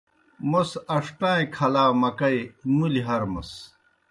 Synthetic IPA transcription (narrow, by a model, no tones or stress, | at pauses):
mosɐʂʈãːikʰɐlaːmɐkɐimuliɦɐɾmus